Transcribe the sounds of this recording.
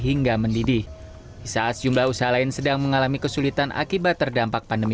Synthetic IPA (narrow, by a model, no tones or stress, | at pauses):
ɦiŋɡaməndidi | ʔisaasəd͡ʒumlahusaɦalaɪnsədaŋməŋalamikəsulit̪anʔa̰kibat̪ːərdampak̚pandəmi